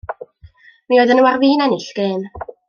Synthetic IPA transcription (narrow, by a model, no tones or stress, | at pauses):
mioːɨðənuarviːnɛnɪɬɡ̥eːn